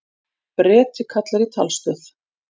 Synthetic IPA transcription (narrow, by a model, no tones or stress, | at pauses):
pɾɛːt̪ɪkʰat̪laɾit̪ʰa̰lst̪ʏθ